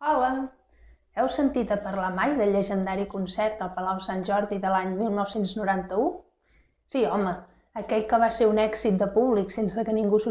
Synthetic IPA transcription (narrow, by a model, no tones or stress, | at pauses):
ɔlə | ɛwsənt̪it̪əpəɾlamajðəʎːəʒənd̪aɾikunsɛɾt̪̚əlˠpəlawsanʲʒɔɾðiðəlaɲmilˠnɔwsenznuɾant̪əu | siɔməː | kɛʎkəβ̞aseɾunɛɡzit̪̚d̪əpuβliksensəkəniŋɡusu